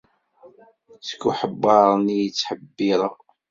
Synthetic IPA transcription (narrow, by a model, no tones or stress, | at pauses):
t͡sə̥kːuħəbːɑɾˤnijit͡sːħəbːiɾˤə